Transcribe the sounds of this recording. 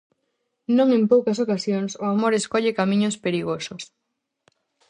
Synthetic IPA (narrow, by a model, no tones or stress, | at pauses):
nõŋempowkɐsokasjoŋsʊamoɾeskɔʎekamĩɲʊspeɾiɣosʊs